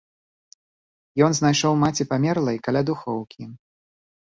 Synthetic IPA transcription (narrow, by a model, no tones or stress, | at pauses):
jɔnznajʂɔwmat͡sʲipamʲɛrlˠɐjkalʲad̪uxɔwkʲi